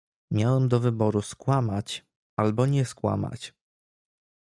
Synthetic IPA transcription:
mʲjawɛmd̪ɔvɘbɔɾuskwamat͡ɕ | albɔɲɛskwa̰ma̰t͡ɕ

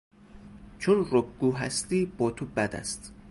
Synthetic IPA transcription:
t͡ʃʰonrobɡuːɦæst̪iːbɒːt̪ʰobæd̪æ̰st̪

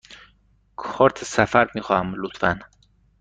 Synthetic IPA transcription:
kʰɒːɾt̪ʰsæfæɾmiːxɒhæmlut̪fæn

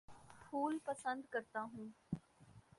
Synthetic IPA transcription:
pʰuːlpəsə̃nd̪kəɾt̪aːɦũː

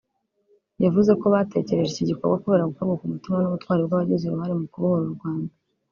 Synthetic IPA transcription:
javuze̞ko̞βate̞ceɾe̞ʒeciɟiko̞ɾɡwakoβe̞ɾaɡukobɡakumutimanuβutwaːɾebɡwaβaɟezuɾuhaɾimukuβahoɾuɾuɾɡwaːnda

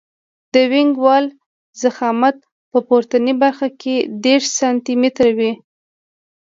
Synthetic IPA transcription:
d̪̥əwɪŋɡwɑl | zaxɑmat̪̚ | pəpoɾt̪anibaɾxakʰed̪eʃsɑnt̪imet̪ɾawi

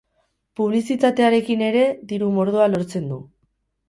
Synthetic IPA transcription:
puβ̞lisit̪at̪e̞aɾe̞kine̞ɾe̞ðiɾumo̞ɾð̞oalo̞ɾt͡se̞nd̪u

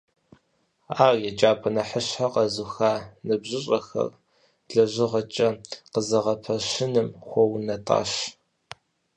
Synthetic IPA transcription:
aːrjɛt͡ʃʼaːpʷʰʼɐnɐħəɕħaqɐzuxaːnɨbʑɪɕʼɐxɐ̰r | ɮɐʑʷɪʁɐt͡ʃʼɐqəzɐʁɐpʰɐɕɪnɨmχʷɔwnɐtʼa̰ːɕ

